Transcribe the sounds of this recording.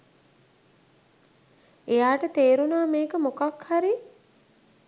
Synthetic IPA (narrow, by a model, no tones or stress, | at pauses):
ejaːʈət̪eːɾunaːmeːkəmokakhaɾi